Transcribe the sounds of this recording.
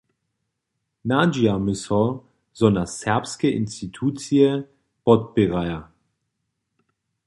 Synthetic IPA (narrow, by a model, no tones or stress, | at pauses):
naːd͡ʒiamɪsɔ | zɔnasɛɐpskɛʔɪnstitʰuːt͡siə | pɔt̚bɪʁaja